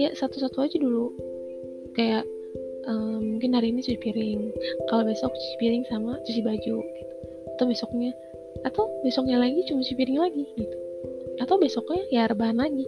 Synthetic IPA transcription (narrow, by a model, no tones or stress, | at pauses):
jaʔsat̪usat̪uad͡ʒudulu | kajaʔ | əmːuŋkɪnaɾinisusipiɾɪŋkalobesɔk̚t͡ʃu̥i̥piɾɪŋsamat͡ʃus̬ibad͡ʒuɡit̪u̥ | at̪awbesɔk̚ɲaː | t̪awbesɔk̚ɲalaɡit͡ʃumasupiɾɪŋlaɡiɡit̪u̥at̪awbesɔkɲajarbaɦanlaɡi